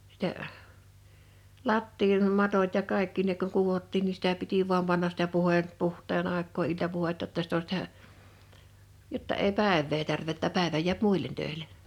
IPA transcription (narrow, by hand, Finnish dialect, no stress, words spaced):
sitæ lɑtːiːnmɑtot jɑ kɑˑekːi ne kuŋ kuʋotːiːn ni sitæ piti ʋuɑm pɑnːɑs sĭtæ puheˑ puhˑtˑeːn ɑˑekˑoː iltɑpuhetːɑ tːɑ sit o sĭtæ jotːɑ eˑi pæˑeʋːeː tærʋeˑ tːæ pæˑeʋæ jiæp muˑilˑen tøe̝l̆e